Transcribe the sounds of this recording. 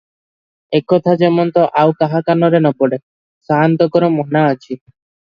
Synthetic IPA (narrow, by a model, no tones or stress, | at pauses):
ekɔt̪ʰad͡ʒemɔnt̪ɔʔawkaɦakanɔɾenɔpɔɽe | saɦant̪ɔkɔɾɔmɔnaat͡ʃʰi